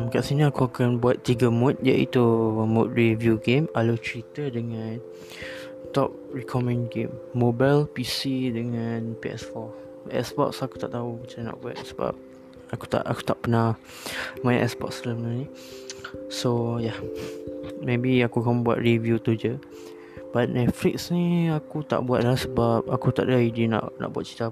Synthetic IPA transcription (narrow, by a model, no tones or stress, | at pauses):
mkaʔsiniakuakanbuat̪ːiɡəmũt̪̚ja̰ʔḭt̪umʊt̪̚ɹivjuɡemalot͡ʃɾit̪ədəŋãn | t̪ɔp̚ɹikʰɔmɛ̃nɡemːobalpisidəŋãnpiɛ̰sfɔ | ɛ̰spɔ̰ksaku̥t̪aʔt̪aumət͡ʃaina̰ʔbua̰t̪̚səba̰p̚ | aku̥t̪a̰ʔaku̥t̪aʔpənah | mãjʔɛ̰sbɔ̰kslamənənĩ | soja | mebiakukambua̰t̪̚ɹivjut̪ud͡ʒə | b̥at̪̚nɛtfliksnĩakut̪a̰ʔbuat̪̚lahsəbap̚akut̪a̰ʔdaidina̰ʔnʔa̰ʔbuat̪̚t͡ʃi̥t̪a